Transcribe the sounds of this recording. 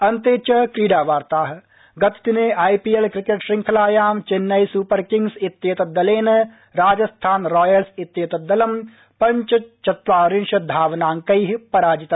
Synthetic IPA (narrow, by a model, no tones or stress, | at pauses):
ɐnt̪eːt͡ʃɐkɾiːɖaːʋaːɾt̪aːɦ | ɡɐt̪t̪ineːʔaːipiːelkɾɪkeʈʃɾɪ̃ŋkʰɐlaːjaːmt͡ʃɪnːɐjsuːpɐɾkɪ̃ŋɡsɪt̪ːjeːt̪ɐd̪ɐleːnɐ | ɾaːd͡ʒɐst̪ʰaːnɾɔːjəlsɪt̪jeːt̪ɐd̪ɐlɐm | pɐ̃ɲt͡ʃɐt͡ʃɐt̪ʋaːɾɪnʃɐd̪ʱaːʋnaːŋkɐiɦpɐɾaːd͡ʒɪt̪